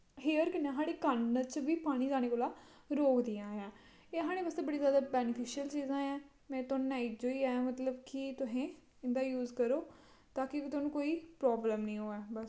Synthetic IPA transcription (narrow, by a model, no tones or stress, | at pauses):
ɦeːəɾkɪnẽːɦaːɽeːkənət͡ʃʋiːpaːɽ̃iːzaːñeːkoːlaː | ɾoːkd̪ɪjãːãː | eːɦaːɽ̃eːbast̪eːbəɽiːzjaːd̪aːbɛːnɪpʰɪʃɪjəlt͡ʃiːzãːɛː | mɛ̃ːt̪onːaːɪd͡ʒoːiːaːjãːmət̪ləbkɪt̪ʊsẽː | ɪnd̪aːjuːzkəɾoː | t̪aːkɪt̪oːnũːkoːiːpɾɔːbləmnəĩːɦoːɛːbəs